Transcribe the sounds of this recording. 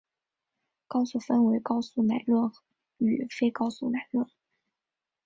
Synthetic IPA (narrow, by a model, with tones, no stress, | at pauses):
kɑ˥ʊsu˥˩fə˥nwe˧˥ɪkɑ˥ʊsu˥˩na˨˩ɪlwə˥˩n | y˨˩fe˥ɪkɑ˥ʊsu˥˩na˨˩ɪlwə˥˩n